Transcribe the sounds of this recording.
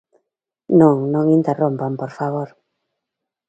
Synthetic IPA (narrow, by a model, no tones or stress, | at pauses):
nõŋnõŋint̪erõmpampoɾfaβ̞oɾ